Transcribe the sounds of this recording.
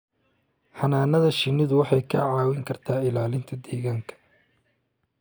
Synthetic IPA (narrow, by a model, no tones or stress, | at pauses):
ħɑnaːnɐðɐʃɪnɪðʊwɑħɑjkʰɐ̰ʕɑːwɪŋkʰɐrt̪ʰaːɪlaːlɪnt̪ʰɐd̪ɛːɣaːŋkʰɐ̥